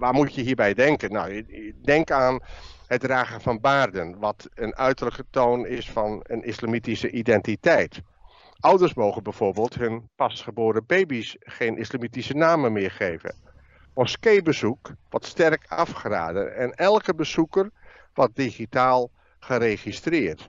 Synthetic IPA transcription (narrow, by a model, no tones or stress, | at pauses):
ʋaːɹmutjəɦiːɹbɛjdɛŋkənnɔ̰wdɛŋkaːn | həd̚raːɣəfɑnbaːrdənʋɔtənœɥtərləkətoːnɪsfɑnənʔislamitisəʔidɛntitɛjt | ʔʌwdərsmoːɣənbɛjv̥oːɹbeːlˠthønpɑsχəboːɾəbejbisχeːnʔɪslamitisənaːməmɪːɹχeːvə̰ | mɔskejbəzukʋɔtstɛrkɑfχra̰ːdə̰ɛnɛlˠkəbəzukər | ʋɔt̚diχitaːlˠ | χəɾeχistrɪːrt